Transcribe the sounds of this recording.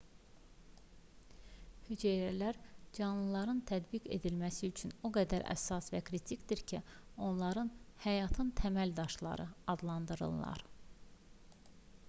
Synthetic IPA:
hyd͡ʒejɾælæɾd͡ʒɑnlˠɯlˠɑɾɯnt̪ʰæd̪bike̞̰d̪ilmæsiyt͡ʃʰynoɡæd̪æɾæ̰sɑsvæ̰kʰɾit̪ʰicd̪iɾcʰio̞nlˠɑɾɯnhæjɑt̪ʰɯnt̪ʰæmæld̪ɑʃlˠɑ̰ɾɯɑd̪lˠɑnd̪ɯɾɯ̰lˠːɑ̰ɾ

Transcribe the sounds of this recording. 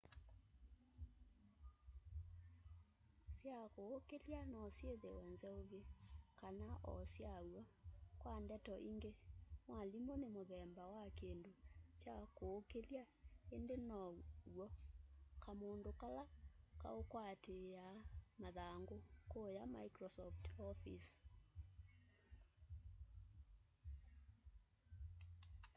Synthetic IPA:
sjakoːkeljanɔsjeðewɛnzɛoβjekanaʔɔ̰sjawɔkwandɛtɔʔiŋɡemwalimonemoðɛmbawakendot͡ʃjakoːkelja | endenɔwɔkamondokalaka̰okwatejamaðaŋɡokojama̰ikɾɔsɔftɔfis

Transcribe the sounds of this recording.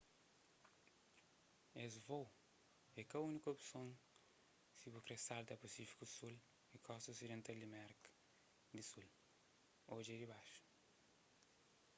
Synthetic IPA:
ezvow | ɛkɐunikopsõŋ | sibukɾesald̪ɐpɐsifi̥kusul | ikʰɔst̪osid̪ẽnt̪ɐld̪imɛɾk | d̪isul | od͡ʒed̪iβaʃu̥

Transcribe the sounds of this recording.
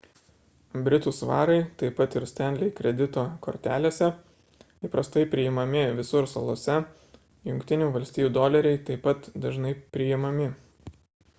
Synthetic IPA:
bʲɾʲɪt̪uːsʋɑ̰ːɾɐɪt̪ɐɪpɐt̪ɪɾsʲt̪ʲɛˑnʲd̪ʲlʲɛɪkɾʲɛd̪ʲɪt̪oːkoːɾʲt̪ʲæːlʲeːsʲɛ | ipɾɐst̪ɐɪpʲɾʲɪɪmɐmʲɪʋʲɪsʊɾsɐlˠoːsʲɛ | jʊŋʲkt̪ʲɪnʲuːʋɐlʲsʲt̪ʲiːjuːd̪oːlʲɛɾʲɛɪt̪ɐɪpɐt̪d̪ɐʒnɐɪpʲɾʲɪjɪmɐmʲɪ

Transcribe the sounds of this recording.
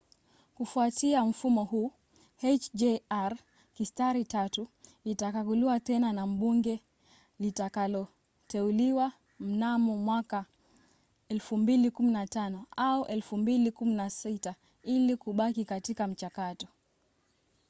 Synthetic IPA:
kufuatiam̩fumɔhuː | hɛt͡ʃd͡ʒɛaɾ | kistaɾitatuitakaɡuliwatɛnanam̩ɓuŋɡɛ | litakalɔ | tɛuliwa | m̩namɔmwaka | ɛlfumbilikuminatanɔauʔɛlfumbilikuminasita | ilikuɓakikatikam̩t͡ʃakatɔ

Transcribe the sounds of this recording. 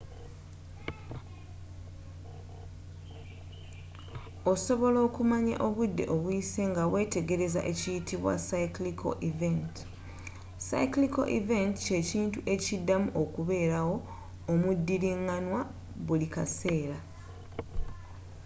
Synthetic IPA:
o̞so̞βo̞lo̞ːkumaɲa̰ʔo̞βudːe̞̰ʔo̞βwise̞ŋɡawe̞ːte̞ɡe̞ɾe̞za̰ʔe̞cijitʰiβwa̰saiklikʰo̞̰ʔiventi̥ | sa̰ikliko̞̰ʔive̞nti̥ce̞ːciːntuʔe̞cidːamuʔokuβe̞ːɾawo̞ː | mudːiɾiŋanwa | βulikase̞ːɾa

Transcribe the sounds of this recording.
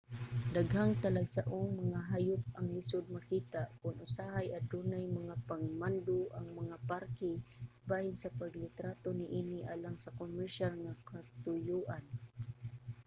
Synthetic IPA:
d̪aɡhaŋt̪alaɡsaʔʊŋmaŋaɦajʊp̚aŋlɪsʊd̪̚makiːt̪aʔkʊnʔʊsaɦajad̪unajmaŋapaŋmand̪ʊʔaŋmaŋapaɾkɪbahɪnsapaɡlɪt̪ɾat̪onɪʔinɪʔaːlaŋsakomɛɹʃalŋakat̪ʊjuʔan

